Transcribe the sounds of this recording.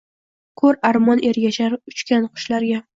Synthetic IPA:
kʰɵɾaɾmɒne̞ɾɡʲat͡ʃʰaɾʊt͡ʃkʲʰanqʰʊ̥ʃlaɾɡʲa

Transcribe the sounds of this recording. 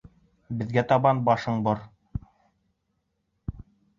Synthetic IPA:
bɘ̆ðɡæt̪ɑβɑnbɑʃɤɴbɤɾ

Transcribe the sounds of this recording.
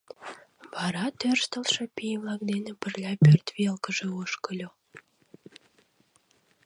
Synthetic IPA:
βɑɾɑt̪ørst̪əlʃĕpijvlˠɑk̚d̪enə̆pərlʲɑpørt̪βelkəʒĕoʃkəlʲo

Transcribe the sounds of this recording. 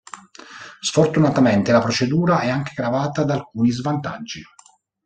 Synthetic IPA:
sfort̪unat̪ament̪elapɾot͡ʃed̪uːɾaʔɛaŋk̟e̥ɡɾavaːt̪ad̪aːlkuːnizvant̪a̰d͡ʒːi

